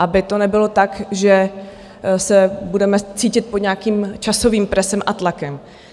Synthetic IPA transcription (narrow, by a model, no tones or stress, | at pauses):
ʔabɪt̪o̞nɛbɪlo̞t̪akʒɛ | sɛbudɛmɛt͡siːcɪt̪̚pod̪ɲaːkiːmt͡ʃaso̞viːmpɾɛsɛmʔat̪lakɛm